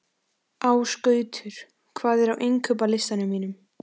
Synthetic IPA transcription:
awskœːɥt̪ʰʏɾ̥ | kʰvaːðɛɾawʔejŋkʰœp̬alɪst̪anʏmːiːnʏm

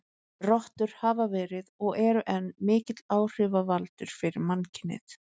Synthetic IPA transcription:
rɔht̪ʏɾ̥havavɛːɾɪðɔɣɛɾʏʔɛnːmɪːcɪt̪laːwr̥ɪvavalt̪ʏɾ̥fɪɾɪɾmancʰɪnːɪ̰ð

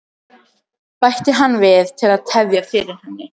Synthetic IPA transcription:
pajht̪ɪɦanːvɪðt̪ʰɪlaðt̪ʰɛvjafɪːɾɪɾ̥hɛnːɪ

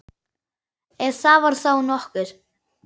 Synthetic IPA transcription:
ɛðθavaɾ̥θawnɔhkʏɾ̥

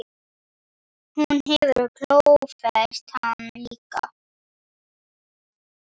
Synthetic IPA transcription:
hunhɛvʏɾkʰl̥owwfɛst̪hanliːka̰

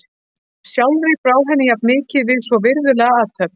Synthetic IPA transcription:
sjawlɾɪpɾaːwɦɛnːɪjap̪̚mɪːcɪðvɪðsvɔvɪɾðʏlɛɣaaːt̪ʰœp̚n

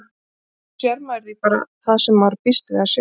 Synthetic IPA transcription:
sɛɾmaɛɾðipaːɾa̰θaðsɛmvaɾpɪst̪ɪðas

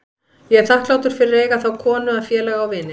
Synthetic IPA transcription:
jɛɣɛɾθahklaːwt̪ʏɾ̥fɪɾɪɾeːjɣaθawkʰɔːnʏaðfjɛːlɛɣawvɪːnɪ

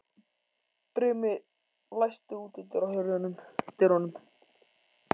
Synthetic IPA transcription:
pɾʏːmɪ | lajst̪ʏuːt̪ɪnt̪ʏɾawhœɥɾjanʏmt̪ɪɾhɔnʏm

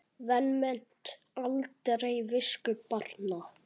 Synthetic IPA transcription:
ðɛnmɛn̥t̪ | alt̪ɾejvɪskʏpaɾna

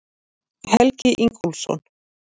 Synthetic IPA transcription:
hɛlcɪʔiŋkʰulsɔ̰n

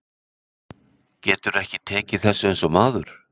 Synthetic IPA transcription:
cɛːt̪ʏɾɛhcɪt̪ʰɛːcɪθɛsːʏensɔmaːðʏɾ̥

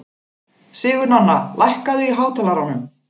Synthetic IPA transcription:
sɪːɣʏɾnanːa̰lʔajhkaðʏiɦaːwt̪ʰɛlaɾanʏm

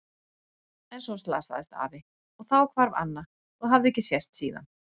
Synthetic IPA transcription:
ɛnsɔst̪la̰ːsa̰ðɪst̪a̰ːvɪ | ɔɣθawkʰvaɾva̰nːa | ɔɣɦavðɪɛcɪsjɛst̪siːða̰n

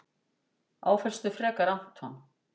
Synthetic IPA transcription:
a̰ːwfɛl̥st̪ʏfɾɛːkaɾan̥t̪hanː

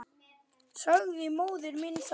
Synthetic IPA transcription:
sœɣvɪmoːwðʏɾmɪns

